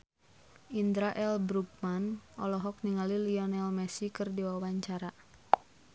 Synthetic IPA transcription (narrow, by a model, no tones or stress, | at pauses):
ʔind̪ɾaʔɛlbɾuk̚manʔɔlɔɦɔk̚niŋaliliɔnɛlmɛsikɨrdiwawaɲt͡ʃaɾa